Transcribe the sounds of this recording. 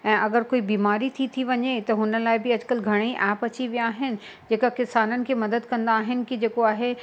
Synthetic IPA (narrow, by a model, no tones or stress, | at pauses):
ɛ̃ːʔɐɡəɾkoːibiːmaːɾit̪ʰit̪ʰiʋɐɲet̪ɐɦʊnə̆laːɪbɪɐd͡ʑkəlɡʱɐɽ̃iʔɛːpɐt͡ɕiʋijaːɦɪnɪ̆ | d͡ʑeːkakɪsaːnənɪ̆kʰeːmɐd̪əd̪kɐ̃nd̪aːɦɪnɪ̆kid͡ʑeːkoaːɦe